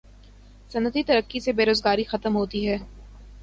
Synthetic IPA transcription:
sɐnət̪it̪ɐɾəkːisebeːɾoːzɡaːɾixɐt̪əmɦoːt̪iɦɛː

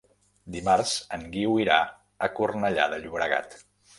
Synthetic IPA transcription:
d̪imaɾzəŋɡiwiɾa | əkurnəʎa̰ðəʎuβɾəɣa̰t̪

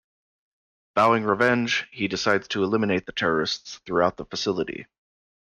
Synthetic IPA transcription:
b̥aʊɪ̃ŋɹɨvɛ̃nd͡ʒ̥hidɨsaɪdz̥tʰəəlɪ̃mɨneɪt̪̚ðɨtʰɛɹə˞ɨstsθɹʉaʊt̪̚ðəfəsɪlˠəɾḭ

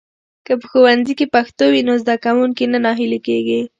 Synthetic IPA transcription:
kəpəxowanzikepaxt̪owinozd̪akawuŋkinanɑɦilekeɡi

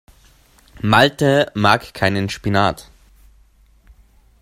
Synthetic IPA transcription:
maltəmaːkkʰaɪnənʃpinaːt

